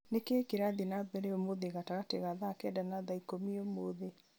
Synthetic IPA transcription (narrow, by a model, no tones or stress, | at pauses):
nekeːkeɾaðinabɛɾeɔmoðeɣataɣateɣaðakɛdanaðaikomiomoðe